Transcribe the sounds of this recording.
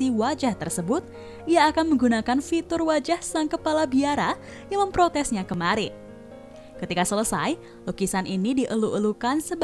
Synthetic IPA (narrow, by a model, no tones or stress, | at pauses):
siwad͡ʒaht̪ərsəbʊt̪̚ | iaːkanməŋɡunakanfit̪ʊrwad͡ʒahsaŋkəpalabiaɾa | jaŋməmpɾot̪ɛsɲakəmaɾi | kət̪ikasələsa̰j | lukisanʔinidiʔəluʔəlukansəb